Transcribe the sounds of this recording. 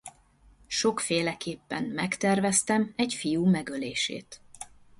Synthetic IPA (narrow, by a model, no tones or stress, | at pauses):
ʃo̞kfeːlɛkeːpːɛmːɛkt̪ɛrvɛst̪ɛmɛcfijuːmɛɡøleːʃḛːt̪